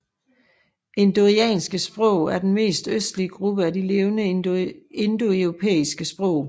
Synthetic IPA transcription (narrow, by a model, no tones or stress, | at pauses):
ʔe̝nd̥o̝ʁiɛ̰ːnsɡ̥əsb̥ʁɔ̽ʊ̰æɐd̥enme̝̰ːsd̥øsd̥liəɡ̥ʁub̥əædile̝ːʊnə | e̝nd̥o̝eʁopʰḛːisɡ̥əsb̥ʁɔ̽ʊ̰